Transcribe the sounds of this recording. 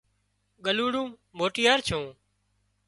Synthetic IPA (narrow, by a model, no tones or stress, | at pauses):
ɠəluːɽũː | moːʈɪjaːɾt͡ʃʰõː